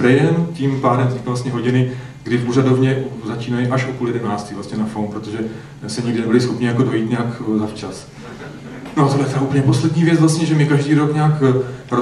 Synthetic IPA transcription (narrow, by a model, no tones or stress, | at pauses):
ɾɛjɛmcimpaːdɛmzɲɪkvlast̪ɲɛɦo̞ɟɪnɪ | ɡdɪfuradovɲɛʔzat͡ʃiːnajɪʔaʃʔopuːljɛdɛnaːt͡st̪iːvlast̪ɲɛnafownpɾot̪oʒɛ | sɛɲɪɡdɪnɛbɪlɪsxopɲɪjako̞do̞jiːt̪ɲaːkzaft͡ʃas | noat̪odlɛt̪ɛɾaupəɲɛpo̞slɛdɲiːvjɛt͡svlast̪ɲɛʒɛmɪkaʒdiːɾo̞kɲaːkɾo